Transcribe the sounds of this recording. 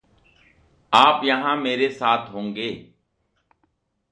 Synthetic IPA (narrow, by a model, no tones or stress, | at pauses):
aːpjəɦãːmeːɾeːsaːt̪ʰɦõːŋɡeː